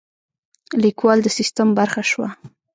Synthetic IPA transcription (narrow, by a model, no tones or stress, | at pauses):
likwɑld̪əsist̪ambaɾxaʃwa̰